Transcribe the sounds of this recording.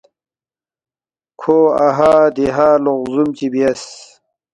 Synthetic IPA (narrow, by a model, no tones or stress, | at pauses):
kʰoːaɦaːd̪iɦaːloʁzumt͡ɕibiɐs